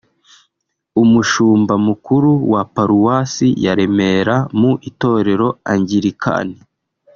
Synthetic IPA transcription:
umuʃuːmbamukuɾuwapaɾuwasijaɾe̞me̞ɾamuʔito̞ɾe̞ɾo̞aɲɟiɾikʰa̰ni

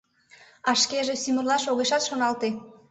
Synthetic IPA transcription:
ɑʃkeʒesymərlɑʃoɣeʃɑt̪ʃonɑlt̪e

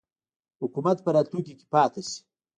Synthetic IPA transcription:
hʊkumat̪̚pəɾɑːt̪luŋkike̥pɑːt̪asi̥

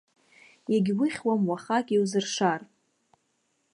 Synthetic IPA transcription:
jaɡʲwiχʲwamwaχakʲʼiwzɨrʂar

